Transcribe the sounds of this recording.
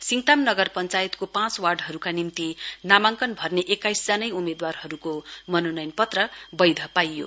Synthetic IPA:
siŋt̪amnʌɡʌrpʌnt͡sajet̪kopãt͡swarɖɦʌɾukanimt̪inamaŋkʌnbʱʌrneʔekajsd͡zanʌjumed̪warɦʌɾukomʌnonʌjnpʌt̪rʌbʌjd̪ʱʌpajːo̰

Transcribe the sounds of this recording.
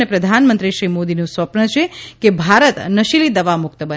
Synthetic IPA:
epɾəd̪ʱanmənt̪ɾiʃɾimod̪inũsʋəpɳət͡ʃʰekebʱaɾət̪nəʃilid̪əʋamʊk̚t̪əbə

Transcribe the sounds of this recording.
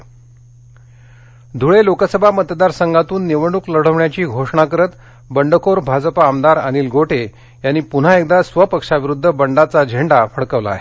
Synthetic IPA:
d̪ʱuɭelokəsəbʱamət̪d̪aɾsəŋɡʱat̪uːnːeʋəɳukləɽ̤əʋɳjat͡ɕiːɡʱoʂɳakəɾət̪ | bəɳɖʱəkoɾbʱad͡zpaːmd̪aɾəniːlɡʱoʈʰe | janːiːpun̤aek̚d̪asʋəpəkʂaʋiɾud̪ʱːəbəɳɖat͡sad͡ʑʱeɳɖafəɽkəʋla̰ːɦe

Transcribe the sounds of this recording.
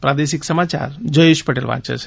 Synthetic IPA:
pɾad̪eʃiksəmat͡ʃa̰ɾd͡ʒəjeʃpəʈelʋa̰t͡ʃə̰t͡ʃʰe

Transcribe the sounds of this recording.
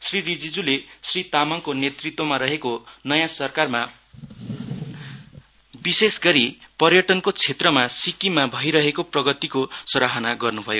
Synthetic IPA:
sririd͡zid͡zulesrit̪amʌŋkonet̪rit̪womaɾʌɦekonʌjãsʌrkarma | bisesɡʌɾipʌrjʌʈʌnkot͡sʰet̪rʌmasikimabʱʌjɾʌɦekoprʌɡʌt̪ikosʌɾaɦʌnaɡʌrnubʱʌjo

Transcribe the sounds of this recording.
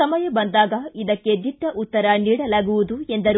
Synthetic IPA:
ɐmɐjɐbɐnd̪aːɡɐid̪ɐkːe̞d̪iɖːɐʔut̪ːɐɾɐniːɽɐlaːɡuʋud̪uend̪ɐɾ

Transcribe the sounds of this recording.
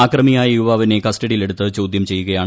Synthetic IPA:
aːkrɐmijaːjɐjuʋaːʋinekɐstɐɽijile̞ɽut̪ːɨt͡ɕo̞ːd̪ʱjɐmt͡ɕe̞jːuɣɐjaːɳ

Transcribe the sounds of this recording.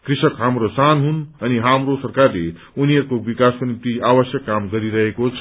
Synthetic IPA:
krisʌkɦamɾosanɦunʌniɦamrosʌrkarle | uniʌɾukobikaskonipt̪iabʌsjʌkːamɡʌɾiɾʌɦekot͡sʰʌ̥

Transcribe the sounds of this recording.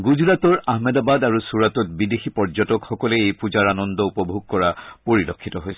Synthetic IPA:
ɡuzuɹatɔɹaɦmɛdabadaɹusuɹatɔt̚bidexipɔɹzɔtɔkxɔkɔlɛejpuzaɹanɔndɔupɔbʱuɡ̚kɔɹapoɹilɔkʰːitɔɦojsɛ̥

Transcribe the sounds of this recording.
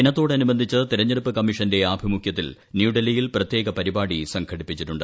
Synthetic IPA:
inɐt̪ːo̞ːɽeɐnubɐnd̪ʱit͡ɕːɨt̪iɾɐɲːɐɾupːɨkɐmːiʂɐnde̞aːbʱimukʰjɐt̪̬ːil | njuːɖɐlijilprɐt̪je̞ːɡɐpɐɾibaːɽisɐŋkʰɐɽipːit͡ɕːiʈːuɳɖɨ

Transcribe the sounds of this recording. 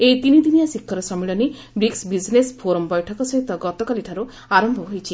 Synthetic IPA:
ejt̪inid̪inijasikʰːɔɾɔsɔmiɭɔni | bɾiksbid͡ʒnespʰoɾɔmbɔjʈʰɔkɔsɔɦit̪ɔɡɔt̪ɔkaliʈʰaɾu | aɾɔmbʱɔɦojt͡ʃʰi

